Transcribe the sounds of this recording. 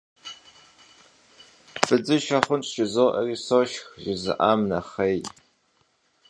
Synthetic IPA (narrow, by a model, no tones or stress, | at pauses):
bɨd͡zɨʃɐχʷʊnt͡ʃʰʃɪzoːʔɐrisoʃxʒɪzɨ̰ʔamnɐχej